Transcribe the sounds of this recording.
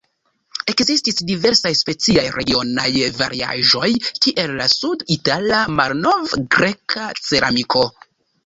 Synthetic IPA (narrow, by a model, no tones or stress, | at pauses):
e̞kzistisdive̞ɾsajspe̞t͡siajɾʔeɡio̞najva̰ɾia̰ʒo̞jkiʔe̞lːasuditalamalno̞vɡɾe̞kʰat͡se̞ɾa̰mikʰo̞